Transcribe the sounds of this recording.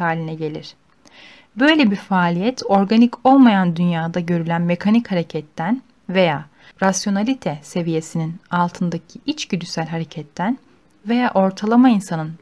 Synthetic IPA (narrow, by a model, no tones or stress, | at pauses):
aːlʲinɛɟe̞lʲiɾ̥ | bø̞jlʲebiɾfaːlʲijɛt̪ʰo̞ɾɡanico̞lˠmajand̪ynjaːd̪aɟø̞ɾylʲænme̞kʰanichaɾe̞cʰɛt̪ʰːæn | ve̞jaː | ɾasjo̞nalʲit̪ʰɛse̞vije̞sininalˠt̪ʰɯnd̪acʰiit͡ʃɟyd̪ysælʲɦaɾe̞cʰɛt̪ʰːæn | ve̞jaːʔo̞ɾt̪ʰalˠamainsanɯn